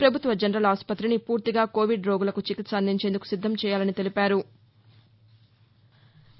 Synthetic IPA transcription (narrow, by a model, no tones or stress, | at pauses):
pɾɐbʱut̪ʋɐd͡ʒɐnɐɾɐlaːspɐt̪ɾinipuːɾt̪iɡaːko̞ːʋiɖɾoːɡulɐkut͡ʃikit̪sɐnd̪ʱiɲt͡ʃend̪uku̥sid̪ʱːɐmt͡ʃɛːjaːlɐnit̪e̞lipaːɾu